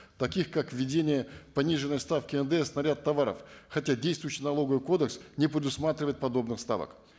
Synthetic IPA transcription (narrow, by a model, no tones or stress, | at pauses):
t̪ɐkʲixkakvʲːɪdʲenʲɪjəpɐnʲiʐɨnːəjst̪afkʲɪɛnd̪əɛsnɐɾʲat̪ːɐvaɾə̰fxɐtʲadʲejst̪vʊjɕːɪjnɐlˠo̞ɡəvɨko̞d̪əksnʲɪpɾʲɪd̪ʊsmat̪ɾʲɪvəjɪt̪̚pɐd̪o̞bnɨxst̪a̰və̰k